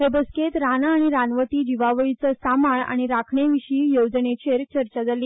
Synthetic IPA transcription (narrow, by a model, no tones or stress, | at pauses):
ɦebəsket̪ɾanaːɽ̃iɾanʋət̪iːd͡ʑiʋaʋəɭit͡səsamaɳa̰ɽ̃iɾakʰɳeʋiɕiːjod͡znet͡ɕeɾt͡ɕəɾt͡ɕad͡zaliː